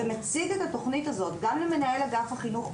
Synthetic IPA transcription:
emet͡siɡet̪hato̞χnitazo̞t̪ɡamlemenae̞laɡafhaχinuχ

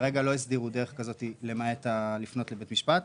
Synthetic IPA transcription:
ʁe̞ɡalo̞isd̪iʁude̞ʁeχkazo̞t̪ile̞maet̪alifno̞t̪le̞bet̪miʃpat̪

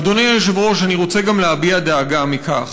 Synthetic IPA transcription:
d̪o̞nejajeʃ̬avʁoʃ̬eaniʁo̞t͡seɡamleabiad̪eːɡamika̰χ

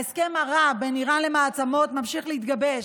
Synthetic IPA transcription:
eskemaʁabeniʁalemaːt͡samo̞t̪mamʃiχleit̪ɡabe̞

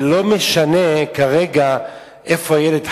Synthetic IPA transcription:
lo̞meʃanekaʁeɡa | ʔefoajeledħ

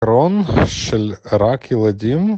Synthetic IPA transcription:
ɾɔnʃɛlʲɾɑkʰilˠɐd̪ʲim

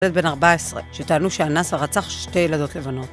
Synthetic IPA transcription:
let̪̚be̞naʁbaesʁeʃet̪aːnuʃeanasveʁat͡saχʃʃtejelado̞tle̞vano̞t

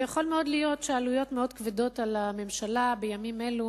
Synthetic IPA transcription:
jaχo̞lmeo̞d̪lijo̞tʃealujo̞t̪meo̞d̪kvedo̞t̪alame̞mʃalabejamimelu

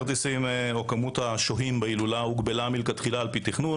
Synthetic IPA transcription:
ʁt̪isimokamut̪haʃoɦimbeilulauɡbelamilkat̪χilaːlpit̪iχnu

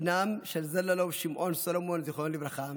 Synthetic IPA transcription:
namʃɐlzɐlːɐlowʃimʔonsolomonzixonlibɾɐxa

